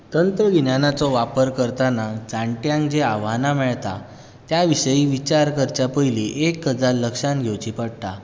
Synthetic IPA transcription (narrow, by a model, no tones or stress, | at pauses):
t̪ənt̪ɾəɡinjanat͡sɔʋapəɾkəɾt̪anad͡zãɳʈjãŋkd͡ʑeaʋanamɛɭt̪a̰ | t̪jaʋiɕəiːʋit͡ɕaɾkəɾt͡ɕjapəjliʔekːəd͡zalːəkʂanɡʱewt͡ɕipəɽt̪a